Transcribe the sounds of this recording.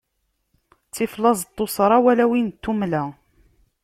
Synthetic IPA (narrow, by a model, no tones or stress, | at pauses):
t͡sːiflɑzˤt̪ˤːosˤɾˤɑwælæwint̪ːumlæ